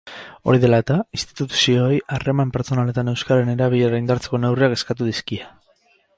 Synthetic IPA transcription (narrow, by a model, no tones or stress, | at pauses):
o̞̰ɾiðe̞laet̪ainst̪i̥t̪ut̪u̥sio̞jare̞mampe̞ɾt͡so̞nale̞t̪ane̞wskaɾene̞ɾaβiʎeɾaijnd̪aɾt͡se̞ko̞ne̞wriake̞skat̪uðiskia